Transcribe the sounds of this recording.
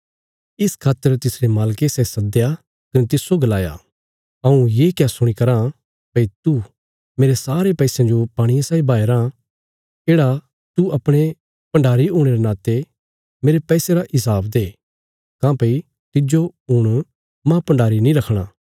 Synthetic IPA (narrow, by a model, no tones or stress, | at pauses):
ɪskʰaːt̪ːəɾt̪ɪsɾemaːlkesɛsɐd̪ja | kɐnet̪ɪsːoɡɐlaːja̰ | ɐũjeːkjasʊɽ̃ikɐɾã | pɐit̪u | meːɾesaːɾepɛːsẽd͡ʒopaːɽ̃ijãsaːibʱaːeɾã | eːɽa | t̪uɐpɽ̃e | pɐ̃ɳɖaːɾiɦʊːɽ̃eɾenaːt̪e | meːɾepɛːseɾaʔɪs̬aːbd̪eː | kãːpɐi | t̪ɪd͡ʒoɦʊɽ̃ | mãpɐ̃ɳɖaːɾinĩɾɐkʰɽ̃aː